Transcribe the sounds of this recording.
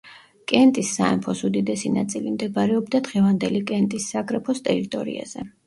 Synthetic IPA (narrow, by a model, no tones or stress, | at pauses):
kʼɛnt̪ʼisːaɛmpʰɔsud̪id̪ɛsinat̪sʼilimd̪ɛbaɾɛɔbd̪ad̪ʁɛvand̪ɛlikʼɛnt̪ʼisːaɡɾɛpʰɔst̪ʼɛɾit̪ʼɔ̰ɾḭa̰z̥ɛ